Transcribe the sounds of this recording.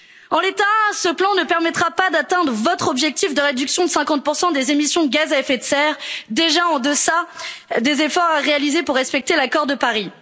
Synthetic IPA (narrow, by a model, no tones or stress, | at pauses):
ɑ̃let̪asəplɑ̃nəpɛʁmɛt̪χapad̪at̪ɛ̃d̪ʁəvɔt̪χɔbʒɛk̚t̪ifd̪əʁed̪yksjɔ̃d̪əsɛ̃kɑ̃t̪̚puʁsɑ̃d̪ezemisjɔ̃d̪əɡʲazaɛfɛt̪sɛʁd̪eʒaɑ̃d̪əsad̪ezefɔʁʁealizepuʁːɛspɛk̚t̪elakɔʁd̪əpaʁi